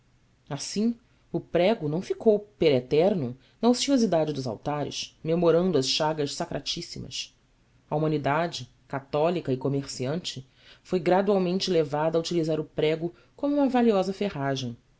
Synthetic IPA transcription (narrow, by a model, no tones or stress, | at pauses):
asĩ | ʊpɾɛɡʊnɐ̃w̃fikowpeɾet̪ɛɾnʊ | nɐosiozid̪ad͡ʒɪd̪ʊza̰wt̪aɾɪ̰ʃmemoɾɐ̃nd̪ʊɐsʃaɡɐʃsakɾʔat͡ʃisimɐ̰s | ɐumɐ̃nid̪ad͡ʒɪ | kat̪ɔlikɐɪkomeɾsiɐ̃nt͡ʃɪ | fojɡɾad̪uawmẽnt͡ʃɪlevad̪ɐut͡ʃilizaɾʊpɾɛɡʊ | kõmʊũmɐvaliɔzɐfeɦaʒẽj̃